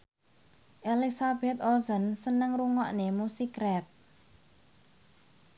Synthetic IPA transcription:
ʔelisab̥ɛt̪̚ozənsənəŋruŋɔʔnemusikɾɛp̚

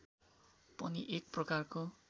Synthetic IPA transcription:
pʌniʔek̚prʌkarko

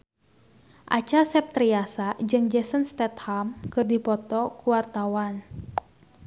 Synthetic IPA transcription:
ʔa̰t͡ʃasɛp̚t̪ɾiasad͡ʒɨŋd͡ʒɛsənst̪ɛt̪hamkɨrdipɔt̪ɔkuwart̪awan

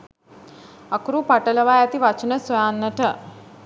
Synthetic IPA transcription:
akuɾupaʈələʋajat̪iʋat͡ʃənəsojaːnːəʈə

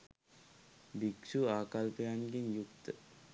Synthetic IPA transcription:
bikʂuaːkalpəjanɡenjukt̪ə

